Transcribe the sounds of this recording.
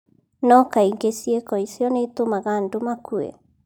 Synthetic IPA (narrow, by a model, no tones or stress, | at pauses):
nɔkaiŋɡesiekɔisjɔneitomaɣandomakʰuḛ